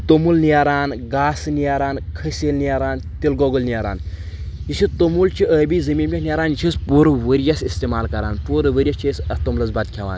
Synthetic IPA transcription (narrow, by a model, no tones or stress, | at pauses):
t̪omulnijaɾaːnɡaːsnijaɾaːnkʰɐsʲeːlnijaɾaːnt̪ilɡɔɡəlnijaɾa̰ːn | jisit̪omult͡ʃʰiʔəbizɐmiːnpʲeɦnijaɾaːnjit͡ʃʰispuːɾʋəɾjɐsist̪emaːlkɐɾa̰ːnpuːɾɐʋəɾʲjɐt͡ʃʰisɐt̪omlɐt͡sbɐt̪̚kʰʲeʋa̰ːn